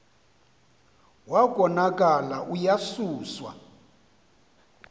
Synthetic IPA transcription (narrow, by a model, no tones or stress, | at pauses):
wakʼɔnakʼalaʔujasuːswa̰